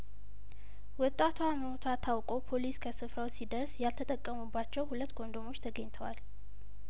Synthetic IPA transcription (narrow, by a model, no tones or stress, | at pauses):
wɔt̪ʼːat̪ʰwaməot̪ʰat̪ʰawkʼo̞pʰo̞liskʰəsɨfɾawsid̪əɾsjalt̪ʰət̪ʼəkʼːəmubːat͡ʃːɛwhulət̪ːɡo̞nd̪o̞mo̞t͡ʃːt̪ʰəɡəɲt̪ʰəwal